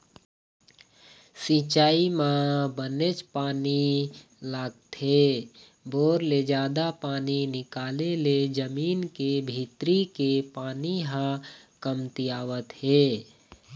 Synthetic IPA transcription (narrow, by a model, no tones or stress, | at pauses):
sĩːt͡ʃaːimãbənet͡ʃpaːni | laːɡt̪ɦe | boːɾled͡ʒaːd̪apaːninɪkaːleled͡ʒəmiːnkebʱiːt̪ɾikepaːniɦã | kəmt̪ijaːwət̪hɛeː